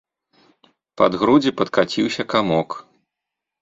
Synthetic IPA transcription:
pad̪ɣɾud͡zʲipɐt̪kat͡sʲiwsʲɐkamɔk

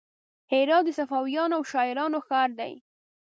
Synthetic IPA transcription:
heɾɑd̪əsafɑwijɑnoawʃɑɪɾɑnoxɑɾd̪a̰j

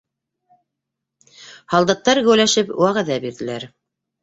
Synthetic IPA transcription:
hɑlˠd̪ɑt̪ːɑɾɡɵ̆wlæʃɘpwæʁæðæbiɾðɘ̆læɾ

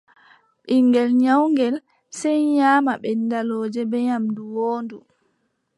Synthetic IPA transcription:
ɓiŋɡɛlɲawŋɡɛl | sɛjɲaːmaɓɛnːdalɔːd͡ʒɛbɛɲamduwoːndu

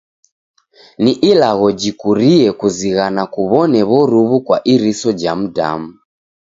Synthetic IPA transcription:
niʔilaɣɔd͡ʒikuɾiɛkuziɣanakuβɔnɛβɔɾuβukwaʔiɾisɔd͡ʒam̩da̰mu

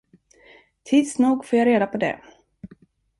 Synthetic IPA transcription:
t̪ʰiːd̪snuːɡfoːjaɾeːd̪apʰɔd̪ɛ̰

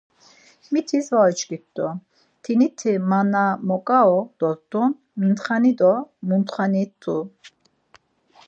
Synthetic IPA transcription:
mit̪ʰisvait͡ʃʰɡit̪d̪ɔ | t̪ʰinit̪ʰimanamɔkʼaɔd̪̥ɔzd̪un | mint̪χanid̪ɔmunt̪χanit̪ʰːu

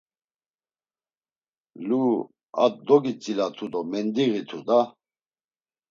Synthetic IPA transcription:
lu | a̰d̪ɔɡit͡sʼilat̪ʰud̪ɔmɛnd̪iɣit̪ʰud̪a

